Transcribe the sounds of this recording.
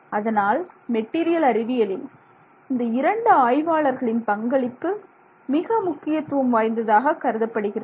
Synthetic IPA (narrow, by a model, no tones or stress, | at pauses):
ɐðɐnaːlmɛʈːiːɾɪjɐlɐɾɪʋɪjɐlɪn | ɪnd̪ɐɪɾɐɳɖɯaːjʋaːɭɐɾɣɐɭɪnpɐŋɡɐɭɪkːɯ | mɪɣɐmʊkːɪjɐt̪ːɯʋɐmʋaːjnd̪ɐðaːɣɐkɐɾɯðɐpːɐɽɯɣɪrɐ